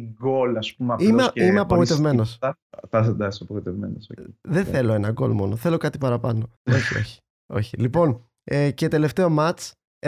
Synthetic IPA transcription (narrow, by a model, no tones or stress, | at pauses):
ɡolɐspumɐiimeimeɐpoɣoit̪e̞vme̞no̞sθɐsɐnd̪ɐksɐpooit̪evmḛnosoðenθe̞lo̞e̞nɐɡo̞̰lmo̞̰noθe̞lo̞kɐt̪ipɐɾɐpɐno̞o̞çio̞̰çi̥ | o̞çilipo̞n | ecet̪e̞le̞ft̪e̞o̞mɐt͡s